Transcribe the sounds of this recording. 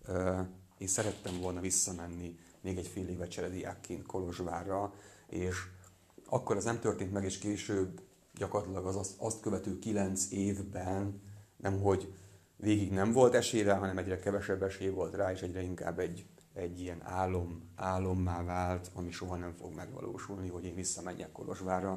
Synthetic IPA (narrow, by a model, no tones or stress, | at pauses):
ø | eːnsɛɾɛt̪ːɛɱvo̞lnɒvisːɒmɛnːi | meːɡɛcfeːleːvɛt͡ʃɛɾɛd̪ija̰ːkːeːnt̪kʰo̞lo̞ʒʋaːrɒeːʃ | ɒ̰kːo̞ɾɒznɛmt̪ørt̪eːnt̪mɛɡeːʃkeːʃøːb | ɟɒkorɑt̪lɒɡɒzɒsɒst̪køvɛt̪ylkilɛnt̪seːvbɛnnɛmɦo̞ɟ | veːɡiɡnɛɱvo̞lt̪ɛʃeːɾɛɦɒnɛmɛɟrɛkɛvɛʃɛbːɛʃeːvo̞lt̪raːeːʃɛɟrɛiŋka̰ːbːɛɟː | ɛɟːijɛna̰ːlːo̞maːlːo̞mːaːvaːlt̪ɒmiʃo̞ɦɒnɛɱfo̞̰ɡmɛɡʋɒ̰lʔo̰ːʃulniɦo̞ɟeːɱvisːɒmɛɲːɛ̰kːo̞lo̞̰ʒʋaːrːɒ